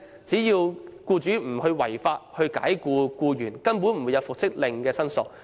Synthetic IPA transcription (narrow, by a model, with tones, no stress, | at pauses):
t͡siː˨˥jiː˧wkuː˧t͡ʃyː˨˥m̩˨˩hɵ˧ɥwɐ˨˩jfaː˧t̚hɵ˧ɥka̰ː˨˥jkuː˧kuː˧jyː˨˩nkɐ˥np̬uː˨˥nm̩˨˩wu˨˧jɐ˨˧wfʊ˨k̚sɪ˥k̚lɪ˨ŋkɛː˧sɐ˥nsʊ˨k̚